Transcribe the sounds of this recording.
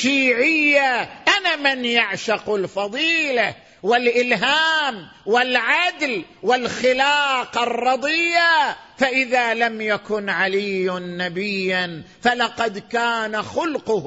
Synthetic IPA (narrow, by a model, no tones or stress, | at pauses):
ʃiːʕɪjːaʔanamɪnjaʕʃaqʊlfɑðˤiːla | wɪlʔɪlɦaːm | wɪlʕad̪lwɪlxɪlaːqɑrˤːɑd̪ˤɨjːafaʔɪðalamjakʊnʕalijnːabɪjːanfalɑqɑd̪kaːnaxʊlqʊh